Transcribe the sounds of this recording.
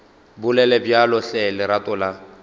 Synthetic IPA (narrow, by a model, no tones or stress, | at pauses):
bʊlɛlɛbjalɔɬɛlɪɾatʼɔla